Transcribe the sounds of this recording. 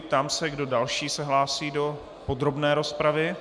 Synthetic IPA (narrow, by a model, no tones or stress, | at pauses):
pt̪aːmsɛɡdo̞dalʃiːsɛɦlaːsiːdo̞ | po̞d̪ɾo̞bnɛːɾo̞spɾavɪ